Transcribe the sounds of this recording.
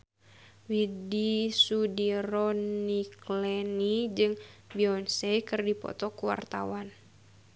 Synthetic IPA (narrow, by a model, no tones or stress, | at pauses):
widisudiɾɔniklɛnid͡ʒɨŋbiɔnsɛkɨrdipɔ̰t̪ɔkuwa̰rt̪a̰wan